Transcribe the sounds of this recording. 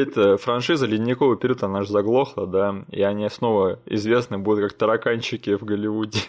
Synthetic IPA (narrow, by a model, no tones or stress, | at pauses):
ɛt̪əfɾɐnʂɨzəlʲɪdʲnʲːɪkovəpʲɪɾʲut̪ɐnaʐɨzɐɡlˠo̞xlˠəd̪aḭɐnʲisno̞vəɪ̰zvʲe̞snɨbud̪ʊt̪̚kak̚t̪əɾɐkanʲt͡ɕːɪkʲɪvɡəlʲɪvudʲɪ